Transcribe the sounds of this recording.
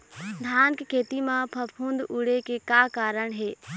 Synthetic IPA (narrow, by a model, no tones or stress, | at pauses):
d̪ʱaːnkkʰeːt̪imãpʰɐpʰũːnd̪uɽekekaːkaːɾəɳ̃ɦeː